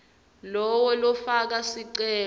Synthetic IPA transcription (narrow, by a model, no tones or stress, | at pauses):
lɔwɔlɔfak̬asiǀɛː